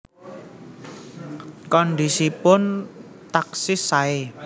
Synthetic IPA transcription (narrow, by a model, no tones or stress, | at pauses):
kɔndisipʊn | t̪aksɪsae